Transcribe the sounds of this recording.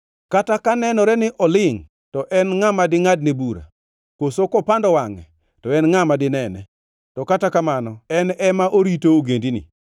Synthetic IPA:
katakanɛnɔɾɛnɪʔɔlɪŋ | tɔʔɛnŋamadɪŋad̚nebuɾa̰ | kosokɔpandɔwaŋɛ̰ | tɔɛnŋamadɪnɛnɛ̰ | tɔkatakamanɔɛnɛmaʔoɾitooɡendinɪ̰

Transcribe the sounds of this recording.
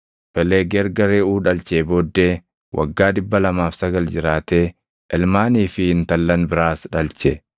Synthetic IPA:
pɛleːɡɛɾɡɐɾeuːᶑɐlt͡ʃeːboːd̪ːeː | wʔɐ̰ɡːaːᶑɪbːɐlɐmaːfsɐɡɐld͡ʒɪɾaːt̪eː | ʔɛlmaːniːfɪhɪnt̪ɐlːɐnbɪɾaːsᶑɐlt͡ʃɛ

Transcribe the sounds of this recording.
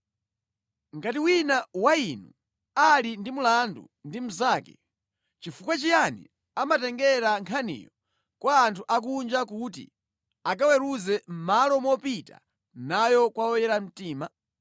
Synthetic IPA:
ŋɡatiwinawainṵ | alindimulandṵ | ndim̩zaːkɛ | t͡ʃifukwat͡ʃijanḭ | amatɛŋɡɛɾaŋkʰanḭːjɔ | kwaːntʰuʔak̬und͡ʒakutḭ | ak̬awɛɾuzɛm̩malɔmɔpita̰ | najɔkwaɔjɛɾam̩tiːma

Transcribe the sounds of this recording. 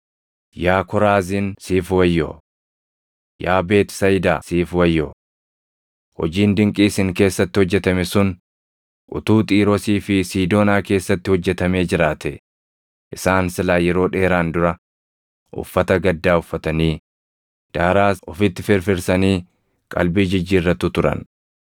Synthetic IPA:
jaːkɔɾaːzɪnsiːfwɐjːo̰ː | jaːbe̞ːt̪sɐjd̪aːsiːfwɐjːo̰ː | hɔ̰d͡ʒiːnd̪ɪŋkʼiːsɪŋke̞ːsːɐt̪ːɪhɔd͡ʒːɛt̪ɐmɛsʊn | ʔʊ̰t̪uːt̪ʼiːɾɔsiːfɪsiːd̪o̞ːnaːke̞ːsːɐt̪ːɪhɔd͡ʒːɛt̪ɐme̞ːd͡ʒɪɾaːt̪ɛ | ʔɪsaːnsɪlaːjɛɾo̞ːᶑe̞ːɾaːnd̪ʊɾɐ | ʔʊ̰fːɐt̪ɐɡɐd̪ːaːʊfːɐt̪ɐniː | d̪̥aːɾaːɔfɪt̪ːɪfɪɾfɪɾsɐniː | kʼɐ̰lbiːd͡ʒɪd͡ʒːiːrːɐt̪ːʊt̪ʊɾɐ̰n

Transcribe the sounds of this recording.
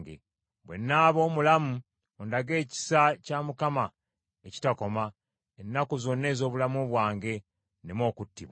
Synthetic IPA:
ɡḛ | βwe̞̰nːaːβo̞ːmulamu | ondaɡe̞ːci̥sacamukama | eci̥tako̞ma | enːakuzo̞nːe̞ːzo̞ːβulamuβwaːŋɡe̞ | nemo̞ːkutːiβwa

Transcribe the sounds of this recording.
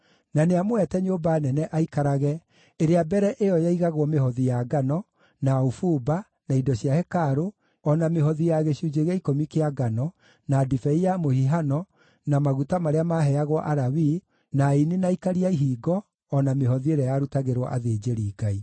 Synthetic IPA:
naneamoɛtɛɲobaːnɛnɛʔaikaɾaɣɛ | eɾeabɛɾɛʔejɔjaiɣaɣwɔmehɔðijaɡanɔ | naufuba | naidɔɕijahɛkaɾo | ɔnameɦɔðijaɣeɕud͡ʑeɣaikomikeaɡanɔ | nadifɛijamohiɦanɔ | namaɣutamaɾeamaɦɛaɣwɔʔaɾawi | nainenaikaɾiaiɦiːɡɔː | nameɦɔðieɾɛjaɾutaɣeɾwɔ̰ʔa̰ðed͡ʑeɾiːɡai

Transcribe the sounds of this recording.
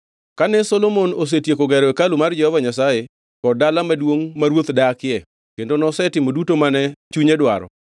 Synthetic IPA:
kanɛsɔlomonos̬etjekoɡɛɾɔekalumard͡ʒɛhɔvaɲasaje | kɔdalamadwoŋmaɾwot̪dakɪɛ | kendonɔsɛtɪmodutomanɛt͡ʃuɲedwa̰ɾɔ̰

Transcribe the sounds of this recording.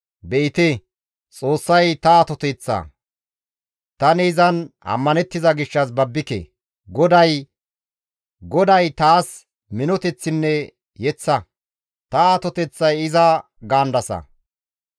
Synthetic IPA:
bɛʔɪt̪e | t͡sʼo̞ːsːɐjt̪ɐat̪ɔt̪ɛt͡sːɐ̰ | t̪ɐnɛːzɐnɐ̰mːɐnɛt̪ːɪzɐɡɪʃːɐs̬bɐbːɪkḛ | ɡɔd̪ɐj | ɡɔd̪ɐjt̪aːs | mɪnɔt̪ɛt͡sːɪnːɛ | jɛt͡sːɐ | t̪ɐat̪ɔt̪ɛt͡sːɐjɪzɐ | ɡaːnd̪ɐsɐ̰

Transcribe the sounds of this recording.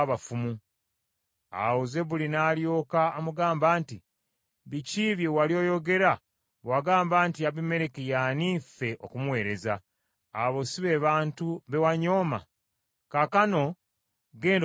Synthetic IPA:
βafumu | a̰woze̞βulinaːljo̞ːkaːmuɡaːmbaːnti | βiciβjewaljo̞ːjo̞ɡe̞ɾa | βwaɡaːmbaːntiaβime̞ɾekijaniːfe̞ʔo̰kumwe̞ːɾe̞zaː | βo̞siβe̞ːβaːntuβe̞waɲo̞ːma̰ | kakano̞ | ɡeːnd

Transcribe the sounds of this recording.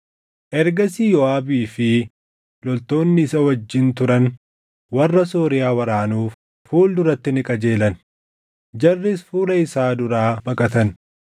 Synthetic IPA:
ʔɛɾɡɐsijɔaːbiːfɪ | lɔlt̪o̞ːnːɪːsɐwɐd͡ʒːɪnt̪ʊɾɐn | wɐrːɐsoːɾɪjaːwɐɾaːnuːf | fuːld̪ʊɾɐt̪ːɪnɪkʼɐd͡ʒe̞ːlɐn | d͡ʒɐrːɪsfuːlɐɪsaːd̪ʊɾaːbɐkʼɐt̪ɐn

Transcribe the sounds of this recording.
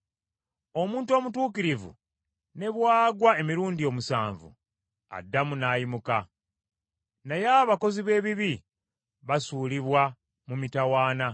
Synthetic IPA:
o̞muːntuo̞ːmutuːkiɾivṵ | ne̞βwaːɡwae̞miɾuːndio̞musa̰ːɱvṵ | a̰dːamunaːjimuka | najaːβako̞ziβe̞ːβiβi | βasuːliβwa | mumitawaːna

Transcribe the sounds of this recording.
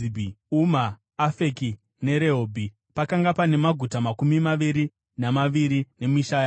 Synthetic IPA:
umaː | feki | ne̞ɾe̞ɦoːbʱi | pakaŋɡapane̞maɡʱutamakumimaʋiɾi | namaʋiɾine̞miʃaja

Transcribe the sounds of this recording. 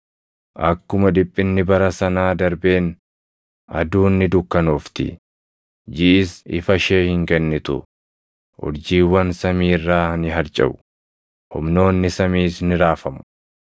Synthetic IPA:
ʔɐkːʊmɐd̪ɪpʼːɪnːɪbɐɾɐsɐnaːd̪ɐɾbe̞ːn | ɐd̪uːnːɪd̪ʊkːɐnoːft̪ɪ̰ | d͡ʒɪʔɪsɪ̰fɐʃe̞ːhɪŋkɛnːɪt̪ʊ̰ | ʔʊ̰ɾd͡ʒiːwːɐnsɐmiːrːaːnɪɦɐɾt͡ʃʼɐ̰bʊ̥ | hʊ̰mno̞ːnːɪsɐmiːsnɪɾaːfɐmʊ̥

